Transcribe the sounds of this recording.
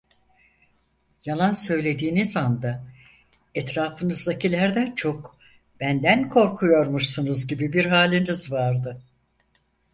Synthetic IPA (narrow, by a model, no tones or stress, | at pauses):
jalˠansø̞jlʲe̞d̪iːnizand̪a | ɛt̪ɾaːfɯnɯzd̪acʰilʲæɾd̪æt͡ʃʰo̞k | b̥ænd̪ænkʰo̞ɾkʰujo̞ɾmuʃsunuzɟibibiɾɦaːlʲinizvaɾd̪ɯ